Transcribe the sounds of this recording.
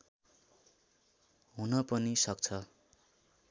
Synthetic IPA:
ɦunʌpʌnisʌkt͡sʰʌ

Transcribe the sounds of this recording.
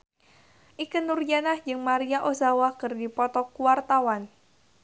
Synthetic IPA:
ʔikənurd͡ʒanahd͡ʒɨŋmaɾiaʔozawakɨrdipɔt̪ɔkuwart̪awan

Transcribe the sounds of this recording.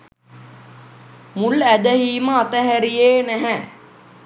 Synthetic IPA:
mulæd̪əɦiːməat̪əɦæɾijeːnæɦɛ

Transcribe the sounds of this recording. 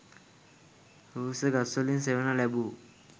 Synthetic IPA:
huseɡasolins̬eʋənalɛbu

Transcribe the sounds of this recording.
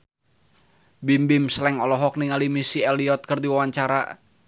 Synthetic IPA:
bimbɪmslɛŋɔlɔɦɔk̚niŋalimisiɛliɔt̪̚kərdiwawaɲt͡ʃaɾa̰

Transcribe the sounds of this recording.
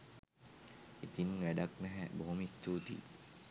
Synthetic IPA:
it̪inʋæɖaknɛɦɛboɦomist̪uːt̪ḭ

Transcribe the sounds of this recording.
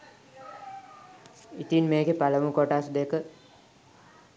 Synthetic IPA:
it̪inmeːɡepaləmukoʈasd̪ekə

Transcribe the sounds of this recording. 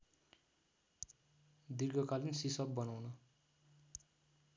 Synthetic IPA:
d̪irɡʌkalinsisʌb̚bʌnawnʌ

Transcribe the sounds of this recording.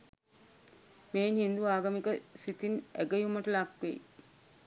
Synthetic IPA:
meːnhind̪uaːɡəmikəsit̪inæɡəjumɐʈəlakʋḛj

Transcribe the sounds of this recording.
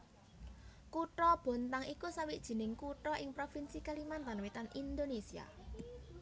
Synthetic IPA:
kuʈɔb̥ɔ̤nt̪aŋikusawiʔd̥ʒ̥i̤nɪŋkuʈɔʔɪŋpɾofinsikalimant̪anwit̪anʔind̪onesia̰

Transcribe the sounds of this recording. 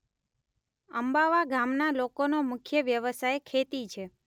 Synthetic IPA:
əmbaʋaɡamnalokonomʊkʰjəʋjəʋəsajkʰet̪it͡ʃʰe

